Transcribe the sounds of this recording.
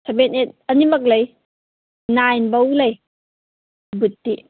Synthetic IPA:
sʰabenet̚ɐnimɐk̬̚lɐj | najnbɐulɐj | butːi

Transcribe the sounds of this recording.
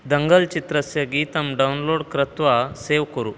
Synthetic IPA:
d̪ɐŋɡɐlt͡ʃit̪ɾɐsjɐɡit̪ɐmɖɐunloːɽkɾɐt̪ʋɐseːʋkɐɾu

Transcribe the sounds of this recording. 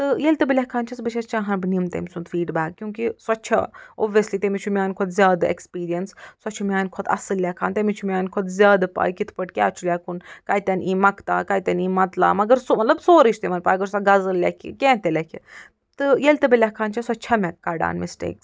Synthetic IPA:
t̪ɨjelʲt̪ɨbilʲakʰaːnt͡ʃʰɐsbɨt͡ʃʰɐst͡ʃãːɦɐnbɨnimt̪ḛmʲsunt̪fiːɖbaːkːjũːkisɐtːt͡ʃʰɐ̰oːʋiɐslit̪emit͡ʃʰumʲaːnʲkʰod̪zʲjaːd̪ḛkspiːɾijɐnssɐt͡ʃʰumʲaːnʲkʰɔt̪ɐ̰sɨlːʲakʰaːnt̪emit͡ʃʰumʲaːnʲkʰɔd̪zʲjaːd̪pa̰ːjkit̪ʰpɐʈkʲa̰ːt͡ʃʰulʲaːkunkaːit̪ʲɐniːmɐkt̪a̰ːkaːit̪ʲɐniːmɐt̪la̰ːmɐɡɐɾsomɐt̪lɐbsoːɾit͡ʃʰt̪emɐnpaːjɐɡɐɾsɐɡɐzɨllʲakʰḭkʲẽːt̪elʲɐkʲʰḭ | t̪ɨjelʲt̪ɨbilʲakʰaːnt͡ʃʰɐswɐtːt͡ʃʰamʲɛkːaːɖa̰ːnmisʈḛːks

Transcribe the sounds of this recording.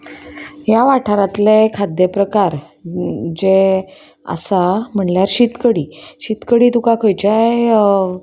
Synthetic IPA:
ɦjaʋaʈʰaɾat̪lekʰad̪jəpɾəkaɾ | d͡ʑe | ə̰sam̤əɳljaɾɕit̪kəɽiːɕit̪kəɽiːd̪ukakʰojd͡ʑaj

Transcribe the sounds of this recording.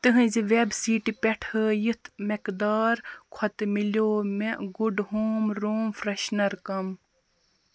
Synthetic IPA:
t̪ɨɦɨ̃ziʋebsiːʈipʲɛʈʰəːjit̪ʰmekd̪aːɾkʰɔt̪miljoːmeɡuɖɦoːmɾoːmfɾɐʃnɐɾkɐm

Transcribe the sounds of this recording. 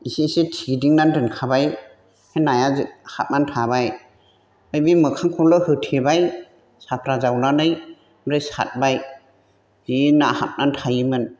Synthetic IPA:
isisetʰidiŋnandɯnkʰabaj | henajazɯhap̚nantʰabaj | ɯjbimɯkʰaŋkʰɔlɯhɯtʰebaj | sapʰɾazawnanɯj | mɾɯjsa̰t̚baj | zinaha̰p̚nantʰajimɯn

